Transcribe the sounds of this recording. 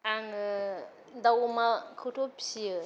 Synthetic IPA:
aŋ | dawmakʰɯtʰopsijɯ

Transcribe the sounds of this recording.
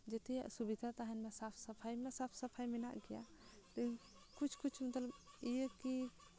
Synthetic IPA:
d͡ʒet̪ḛsubid̪ʱat̪aɦənmesapʰsəpʰajmesapʰsəpʰajmena̰ɡija̰t̪ə | kut͡ʃʰkut͡ʃʰmət̪ləb | ieki

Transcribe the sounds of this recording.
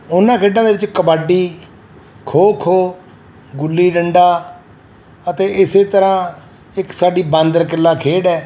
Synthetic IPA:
ʊnːãːkʰeːɖãːd̪eːʋɪt͡ʃkəbaːɖiː | kʰoːkʰoː | ɡʊlːiːɖəɳɖaː | ət̪eːɪseːt̪əɾãː | ɪksaːɖiːbãːnd̪əɾkɪlːaːkʰeːɽɛː

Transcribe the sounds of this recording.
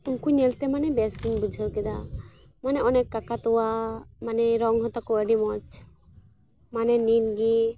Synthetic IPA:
uŋkuɲɛlt̪ɛmanɛbɛsɡinbud͡ʒʱəwkɛd̪a | manɛɔnɛkːakat̪ɔwamanɛɾɔŋɦɔt̪akɔəɖimɔt͡ʃ | manɛninɡi

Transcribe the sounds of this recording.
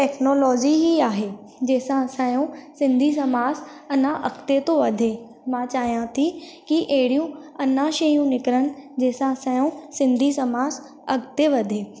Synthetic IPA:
ʈɛːkʰnɔːlɔːd͡ʒiɦiaːɦeː | d͡ʒeːsãsãːjõsɪ̃nd̪ʱis̬ɐmaːz | ɐnãʔɐkt̪et̪oʋɐd̪ʱeː | mãːt͡ʃaːijãt̪ʰikiʔeːɽijũɐnãːʃeːjũnɪkɾəñd͡ʒeːsãsãːjõsɪ̃nd̪ʱisɐmaːz | ɐkt̪eʋɐd̪ʱeː

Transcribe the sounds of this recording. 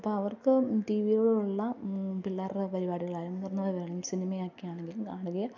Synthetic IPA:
ɐpːoːɐʋɐrkɨʈiːʋijoɽeuɭːɐbilːaːrpɐɾibaːɽiɣɐɭaːɾɐmnurɐnːuʋɐʋeːɭɐmsinimɐjaːkːijaːɳeŋɡilumkaːɳuɣɐjɐ

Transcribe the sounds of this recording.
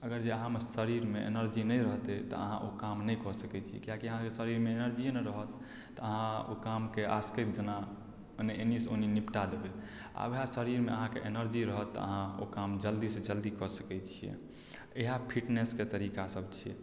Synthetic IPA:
əɡəɾd͡ʒeəɦãmesəɾiɾmeḛnəɾd͡ʒinəjɾəɦt̪ɛt̪ɔ̰ə̰ɦãʔokamnɛjkɔsəkɛt͡ʃʰijɛ̰kijãkiəɦãkesəɾiɾmeenəɾd͡ʒienɾəɦət̪ː | ɔəɦão̰kamkeʔa̰skət̪̚d͡ʒəna | neenisoninipʈad̪ebe | a̰beɦasəɾiɾmeəɦãkḛʔenəɾd͡ʒiɾəɦət̪ːɔ̰ə̰ɦão̰kamd͡ʒəld̪ised͡ʒəld̪ikɔsə̥kɛt͡ʃʰijɛ̰ | eɦapʰiʈnesket̪əɾikasəbt͡ʃʰiɛ̰

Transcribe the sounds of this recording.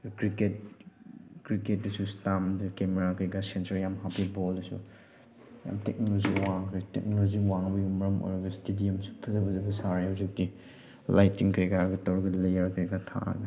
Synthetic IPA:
kɾiket̚ | kɾiket̚dɐsustamdɐkemeɾakʰɐjɡɐsentɐɾjamɦapibɔldɐsṵ | ja̰mtek̚noloziwaŋkʰɾitek̚noloziwaŋbɐjumɐɾɐmo̰jɾɐɡɐstediɐmsu̥pʰɐzɐbɐzɐbɐsaɾeuzuk̚ti | lajtiŋkʰəjɡaɾɐɡɐtɐwɾɐɡɐlejɐɾkʰɯjɡɐtʰa̰ɐ̰ɡɐ

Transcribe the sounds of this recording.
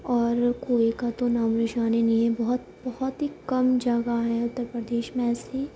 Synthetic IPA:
ɔːɾkoːekat̪onaːmɾɪʃaːneniẽbɔɦɔt̪bɐhɔt̪ɦikɐmd͡ʒəɡaɦɛ̃ʊt̪ːəɾpɾəd̪eːʃmẽɛːse

